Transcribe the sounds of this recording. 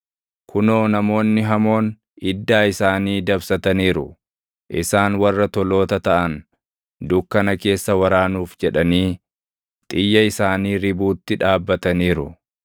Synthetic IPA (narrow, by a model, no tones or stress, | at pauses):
kʰʊnoːnɐmo̞ːnːɪɦɐmo̞ːn | ɪd̪ːaːɪsaːniːd̪ɐbsɐt̪ɐniːɾʊ | ʔɪsaːnwɐrːɐt̪ɔlo̞ːt̪ɐt̪ɐʔɐn | d̪ʊkːɐnɐke̞ːsːɐwɐɾaːnuːfd͡ʒɛᶑɐniː | t̪ʼɪjːɐɪsaːniːɾɪbuːt̪ːɪᶑaːbːɐt̪ɐniːɾʊ